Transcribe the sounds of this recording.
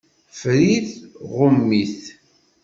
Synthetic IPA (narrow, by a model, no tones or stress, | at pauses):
fɾiθʁʊmːiθ